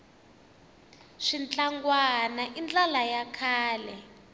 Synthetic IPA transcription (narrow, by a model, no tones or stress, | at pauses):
ʂint͡ɬʼaŋɡwanaʔind͡ɮʼalajakʰaːlɛ